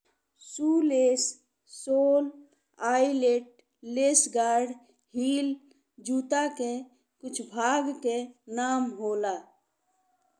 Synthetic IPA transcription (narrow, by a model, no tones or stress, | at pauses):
suːleːsː | oːl | aːileːʈ̚ | leːsɡaːɾɖ | hiːl | d͡ʒuːt̪ake | kʊt͡ʃʰbʱaːɡkenaːmɦoːlaː